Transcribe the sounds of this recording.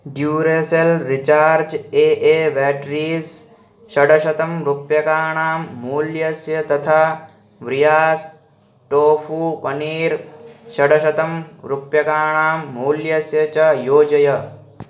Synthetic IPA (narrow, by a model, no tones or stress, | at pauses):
ɖjuːɾeːsɐlɾit͡ʃaːɾd͡ʒeːʔeːʋɛːʈɾiːz | ʃɐɽɐʃɐt̪ɐmɾupjɐkaːɳaːmːuːljɐsjɐt̪ɐt̪ʰaː | ʋɾijaːs | ʈoːfupɐniːɾʃɐɽɐʃɐt̪ɐmɾupjɐkaːɳ̃aːmːuːljɐsjɐt͡ʃɐjoːd͡ʒɐjɐ